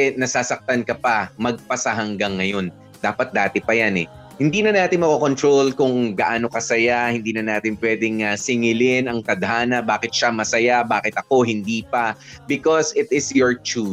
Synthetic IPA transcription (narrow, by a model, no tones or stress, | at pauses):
ɛnɐsaːsɐk̚t̪ɐnkɐpɐmɐɡ̚pɐsɐɦɐŋɡaŋːɐjo̞n | d̪aːpɐt̪̚d̪aːt̪ɛpɐjanɛ̰ | hɪnd̪iːnɐnaːt̪ɪnmɐkoko̞nt̪ɾolkʊŋɡɐʔaːno̞kɐsɐjahɪnd̪iːnɐnaːt̪ɪnpwɛːd̪ɪŋɐsɪŋɪlɪnɐŋkɐd̪ɐɦaːnɐbaːkɪt̪̚ʃamɐsɐjabaːkɪt̪ɐko̞ɦɪnd̪iːpɐ | bɪkosɪt̪ɪsjɔɹt͡ʃu